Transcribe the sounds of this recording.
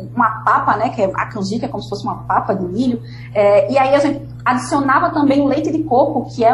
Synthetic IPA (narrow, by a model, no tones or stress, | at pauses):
ũmɐpapɐnɛkɪɛʔa̰kɐ̃zikɐɛkõmʊsɪ̥fosɪũmɐpapɐd̪ɪmiʎʊ | ɛiaiaʒẽnt̪ɪ | ad̪isionavɐt̪ɐ̃mbẽj̃ũlejt̪ɪd̪ɪkoɾkʊkɪɛ